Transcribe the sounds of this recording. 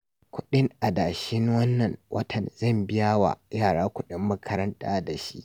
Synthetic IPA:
kʷʰʊ˦ɗɪ˦ŋʔa˨daː˨ʃɪ˦ŋwɐ˦nːɐ˨nwʔɐ̰˦tʰɐ˨nzɐ˦˨mbɪ˦ja˦wa̰˨jaː˦˨ɽaː˦kʷʊ˦ɗɪ˦mːɐ˦kʰɐ˦ɾɐ˦ntaː˦da˨ʃḭ˦ʔ

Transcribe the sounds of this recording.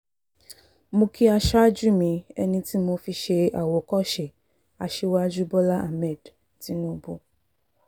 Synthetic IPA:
mõ˧kʰi˦a˧ʃa˦d͡ʒu˦mĩ˧ɛ̰˧nĩ˧ti˦mõ˧fi˧ʃe˧a˨wo˨kɔ˦ʃe˨ | a˨ʃe˦wa˦d͡ʒu˦bɔ˦la˦ʔa̰˨mɛ˦˨d | ti˨˦nũ˦bo˦

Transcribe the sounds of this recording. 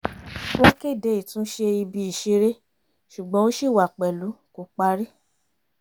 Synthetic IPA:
wo˦ke˦˨de˨˦i˨tũ˦ʃe˧i˧bi˧i˨ʃe˧ɾe˦ | ʃu˨ɡ͡bɔ̃˦o˦ʃi˦˨wa˨k͡pɛ˨lu˨˦ko˨˦k͡pa˧ɾi˦

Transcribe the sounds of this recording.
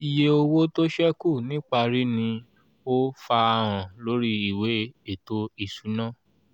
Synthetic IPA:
i˨je˧o˧wo˦to˦ʃɛ˦ku˦˨nĩ˦k͡pa˧ɾi˦nĩ˧ | o˦fa˧ɾ̃ã˨lo˨˦ɾi˦i˦˨we˨˦e˦˨to˧˦i˦˨su˨˦nã˦˨

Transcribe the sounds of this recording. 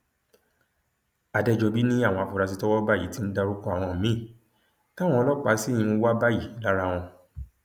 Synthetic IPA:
a˨dɛ˧d͡ʒɔ˧bi˦nĩ˦a˦˨wɔ̃˧a˨fu˨ɾa˧s̬i˧tɔ˦wɔ˦ba˦˨ji˨˦ti˦n̩˦da˧ɾu˦kɔ̃˦a˨w̃ɔ̃˧˨mĩ˨˦˨ | tã˦˨ɔ̃˧ɔ˧lɔ˦k͡pa˨˦si˦˨jĩ˧˦wa˦ba˦˨ji˨˦la˦ɾa˦w̃ɔ̃˧

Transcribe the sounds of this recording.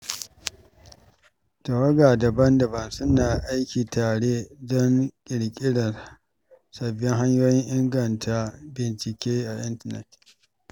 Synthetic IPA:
ta˨wɐ˦ɡaː˨dɐ˨bɐ˦ndɐ˨bɐ˦nsʊ˦naː˨ʔa˦jkʲiː˨taː˨ɽeː˦dɔ˦ŋkʲʼɪ˨ɽkʲʼɪ˦ɽɐ˨r | sɐ˨bːɪ˦ŋɦa˦ɲjoː˦jɪ˦ŋʔɪ˦ŋɡɐ˨ntʰa˨bɪ˨nt͡ʃɪ˨kʲeː˦ʔa˨ʔɪ˦ntɐ˨nɛ̰˨t

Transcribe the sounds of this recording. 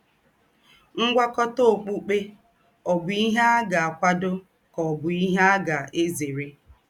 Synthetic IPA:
ŋ̩˦ɡʷa˦kɔ˦to˨k͡pu˦k͡pe˦ | ɔ˨bʊ˨i˦ɦe˦a˦ɡa˨a˨kʷa˦dʊ˦ | kɔ˨bʊ˨i˦ɦe˦a˦ɡa˨e˦ze˨ɾe˦

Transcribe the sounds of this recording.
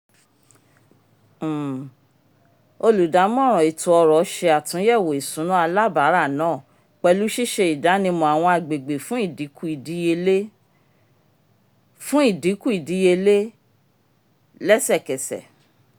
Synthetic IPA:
o˧lu˨da˨˦mɔ̃˦˨ɾ̃ɔ̃˨i˨tũ˧ɔ˧ɾɔ˨˦ʃe˧a˨tũ˨˦jɛ˦˨wo˨i˨sũ˨˦nũ˦a˧la˦˨ba˨˦ɾa˦˨nãː˦˨ | k͡pɛ˧lu˦ʃi˦ʃe˧i˨da˨˦nĩ˧mɔ̃˧˨a˨w̃ɔ̃˧a˨ɡ͡be˨ɡ͡be˨fũ˦i˦˨di˨˦ku˦i˨di˨˦je˧le˦ | fũ˦i˦˨di˨˦ku˦i˨di˨˦je˧le˦ | lɛ˦sɛ˦˨kɛ˨sɛ̰˨

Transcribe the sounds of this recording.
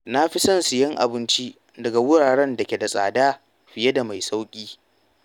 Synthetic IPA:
na˦ɸi˦sɐ˦˨nsʊ˨jɐ˦ŋʔa̰˨bɪ˦nt͡ʃi˦ | dɐ˨ɡa˨wʊ˦ɽaː˨ɽɛ˦ndɐ˨kʲe˨da˨sʼa̰ː˨daː˦ | ɸɪ˨je˦da˨ma˨jsa˦wkʲʼiː˦

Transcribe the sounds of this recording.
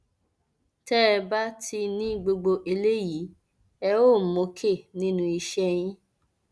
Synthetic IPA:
tɛ˦ɾɛ˧ba˦tʰi˧nĩ˦ɡ͡bo˧ɡ͡bo˧ʔe˧le˦ji˨˦ | ɛ˧o˦˨mo˨kʰe˦˨nĩ˦nũ˦i˧ʃɛ˧j̃ĩ˦

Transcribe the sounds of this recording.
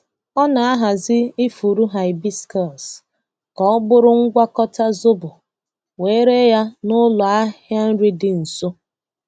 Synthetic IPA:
ɔ˦na˨a˦ɦa˨zɪ˦ɪ˦fu˨ɾu˦ɦa˨ɪ˨bi˦skɔ˦˨s | kɔ˨ɔ˦bʊ˦ɾʊ˦ŋ̩˦ɡʷa˦kɔ˦ta˦zʊ˦bʊ˨ | weː˦ɾe˦ja˦nʊ˦lɔ˨a˦hja˦n̩˦ɾi˦dɪ˨n̩˨so˦

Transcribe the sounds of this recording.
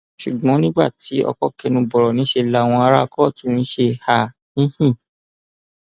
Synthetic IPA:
ʃu˨ɡ͡bɔ̃˨˦nĩ˦ɡ͡ba̰˦˨ti˨˦ɔ̰˧kɔ˦˨kɛ˧nũ˧bɔ˨ɾɔ˨nĩ˨˦ʃe˧la˨w̃ɔ̃˧a˧ɾa˦˧kɔ˦˨tũ˨˦nĩ˦ʃe˧ha˦˨ | nĩ˦hĩ˦˨

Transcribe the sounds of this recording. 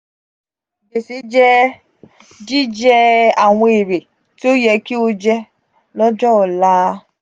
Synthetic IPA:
be˨si˨˦d͡ʒɛ˦ | d͡ʒi˦d͡ʒɛ˦a˨w̃ɔ̃˧e˨ɾe˨ | ti˦o˦jɛ˧ki˦o˦d͡ʒɛ˦ | lɔ˦d͡ʒɔ˦ɔ˨la˦

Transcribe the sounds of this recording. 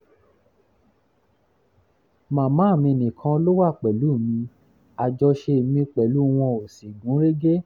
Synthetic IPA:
mãː˨mã˨˦˨mĩ˧nĩ˨kʰã˧˦lo˦wa˦˨k͡pɛ˨lu˨˦˨mĩ˧ | a˨d͡ʒɔ˧ʃe˧˨mĩ˧k͡pɛ˨lu˨˦w̃ɔ̃˧o˨si˨ɡũ˨˦ɾe˦ɡe˦

